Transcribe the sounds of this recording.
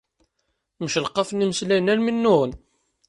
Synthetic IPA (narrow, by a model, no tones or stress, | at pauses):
məʃlqːɑfniməslænælminːʊʁən